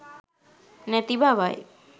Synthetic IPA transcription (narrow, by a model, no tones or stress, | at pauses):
nɛt̪ibaʋaj